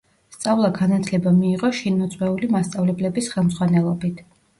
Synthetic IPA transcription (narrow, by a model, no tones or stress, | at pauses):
st̪sʼavlˠaɡanat̪ʰlɛbamiːʁɔʃinɔt̪sʼwɛulimast̪sʼavlɛblɛbisχɛlˠmz̥ʁwanɛlˠɔbit̪ʰ